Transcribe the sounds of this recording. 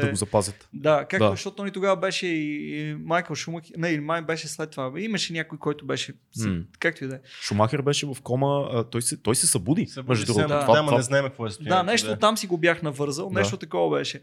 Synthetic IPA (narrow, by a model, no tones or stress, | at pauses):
d̪ɐɡozɐpazʲət̪d̪akakd̪ozɐʃt̪ɔt̪oɔnit̪oɡavɐbɛʃɛimajkəlˠʃumɐxnɛilimajbɛʃɛslɛt̪ːovaimɐʃɛnʲjakojkɔjt̪ʊbɛʃɛ | sɛkak̚t̪oid̪ɛʃumaxɛɾbɛʃɛvɐfkɔmət̪ɔjsɛt̪ɔjsɛsɐbud̪imɛʒd̪ud̪ɾd̪avaamnɛznaɛmk̚kvɔɛsanɛʃt̪ot̪amsiɡobjaxnɐvɤɾzəlˠnɛʃt̪ot̪ɐkɔvɐbɛʃɛ